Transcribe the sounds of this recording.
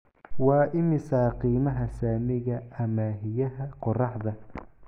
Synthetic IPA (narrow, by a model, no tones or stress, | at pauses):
wɑːʔɪmɪsaqiːmɐɦɐsaːmɪɣɐʔɐmaːɦɪjɐɦɐqʊrɑħðɐ